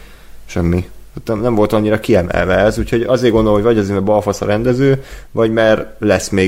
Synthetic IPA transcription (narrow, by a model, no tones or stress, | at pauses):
ʃɛmːihat̪nɛmnɛɱvo̞lt̪ɒɲːiɾɒkiɛmɛ̰lvɛːzucho̞ɟɒzeːrɡondolomɦojvɒɟɒzeɾmɛbɒlfɒsɒɾɛnd̪ɛzøːvɒɟmɛrlɛsmeː